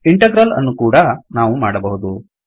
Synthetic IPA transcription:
iɳʈɐɡɾɐlɐ̰nːukuːɽɐnaːʋumaːɽɐbɐɦud̪u

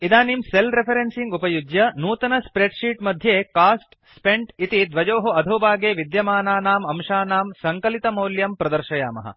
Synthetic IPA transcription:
id̪aːnimselɾepʰɐɾensiŋɡupɐjud͡ʒjɐnuːt̪ɐnɐspɾeɖʂiːʈmɐd̪ʱjeːkaːsʈ | speɳʈit̪id̪ʋɐd͡ʒoːɦuɐd̪ʱoːbaːɡeːʋid̪jɐmaːnaːnaːmɐmʂaːnaːmsɐŋkɐlit̪ɐmɐːljɐmpɾɐd̪ɐɾʃɐja̰ːmɐ̰ɦɐ̰

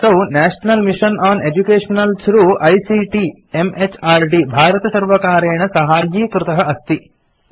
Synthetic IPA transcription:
sɐwnæːʂnɐlmiʂɐnʔaːned͡ʒukeːʂɐnɐlsɾuʔɐjsiːʈi | emet͡ʃʰaːɾɖibʱaːɾɐt̪ɐsɐɾʋɐkaːɾeːɳɐsɐɦaːɾjiːkɾut̪ɐɦɐɐst̪i

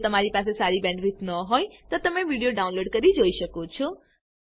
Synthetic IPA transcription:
t̪əmaɾipasesaɾibɛ̃ɳɖʋit̪nəɦojt̪ot̪əmeʋiɽijoɖaũnloɖkəɾid͡ʒoiʃəkot͡ʃʰɔ

